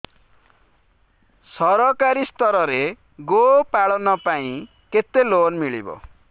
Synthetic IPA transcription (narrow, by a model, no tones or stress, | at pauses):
sʌɾʌkaɾist̪ʌɾʌɾe | ɡopaɭʌnʌpaĩ | ket̪ːelonmiɭibo̰